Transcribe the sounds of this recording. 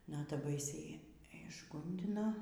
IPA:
ˈnɑːtɐ ˈbɐɪsʲɛɪ ɪʒˈɡʊnʲdʲɪnɐ

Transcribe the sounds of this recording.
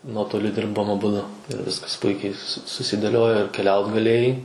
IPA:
ˈnuɔtoːlʲʊ ˈdʲɪrboːm ɐˈbʊdʊ ɪr ˈʋʲɪskɐs ˈpʊɪkʲɛɪ sʊ sʊsʲɪdʲeːˈlʲoːjoː ɪr kʲɛˈlʲɛʊt ɡɐˈlʲeːjɛɪ

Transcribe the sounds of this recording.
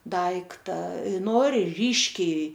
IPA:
ˈdɐɪktɐ ˈnoːrʲɪ ˈrʲiːʃʲkʲɛɪ

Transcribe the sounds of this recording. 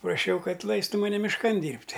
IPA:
prɐˈʃʲɛʊ ˈkɐt ˈlˠɐɪstʊ mɐˈnʲɛ mʲɪʃˈkɐn ˈdʲiːrʲpʲtʲ

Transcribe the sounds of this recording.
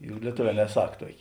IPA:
jʊk lʲiɛˈtoːˌʋʲɛː nʲɛˈsɐk ˈtuɔkʲeː

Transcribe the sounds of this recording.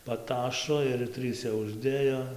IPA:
pɐˈtɑːʃoː ɪr ˈtʲrʲiːsʲɛ ʊʒʲˈdʲeːjoː

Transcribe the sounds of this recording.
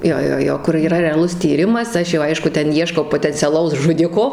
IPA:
ˈjoː ˈjoː ˈjoː kʊr iːˈrɐ rʲɛɐˈlˠʊs tʲiːˈrʲɪmɐs ˈɐʃ jɛʊ ˈɐɪʃkʊ ˈtʲɛn ˈiɛʃkɐʊ poːtʲɛnʲt͡sʲɛˈlˠɐʊs ʒʊˈdʲɪkoː

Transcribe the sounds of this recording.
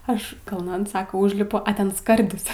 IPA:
ˈɐʃ kɐlˠˈnɐn ˈsɑːkɐ ˈuːʒʲlʲɪpʊ ɐ ˈtʲɛn ˈskɐrʲdʲɪs

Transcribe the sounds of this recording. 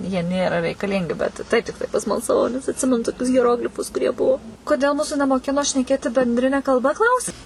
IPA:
jiɛ ˈnʲeːrɐ rʲɛɪkɐˈlʲɪŋʲɡʲɪ ˈbʲɛt tɐɪp ˈtʲɪktɐɪ pɐsmɐlˠsɐˈʋɐʊ nʲɛs ɐtʲˈsʲɪmʲɛnʊ toːˈkʲʊs ɣʲiɛˈroːɡlʲɪfʊs kʊˈrʲiɛ ˈbuɔ koːˈdʲeːlˠ ˈmuːsʊ nʲɛmoːˈkʲɪnoː ʃʲnʲɛˈkʲeːtʲɪ bʲɛnʲˈdʲrʲɪnʲɛ kɐlˠˈbɐ ˈklˠɐʊsʲɪ

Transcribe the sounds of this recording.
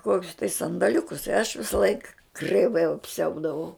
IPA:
ˈkoːkʲʊs tɐɪ sɐndɐˈlʲʊkʊs ɪ ɐʃ ʋʲɪsɐˈlˠɐɪk krʲɛɪˈʋɐɪ ɐpʲˈsʲɛʊdɐʋɐʊ

